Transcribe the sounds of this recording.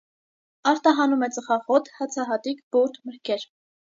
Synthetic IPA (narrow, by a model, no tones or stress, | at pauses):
ɑɾt̪ɑɦɑnumɛt͡səχɑʁɔt̪ʰhɑt͡sʰɑɦɑt̪ikb̥uɾt̪ʰməɾkʰɛɾ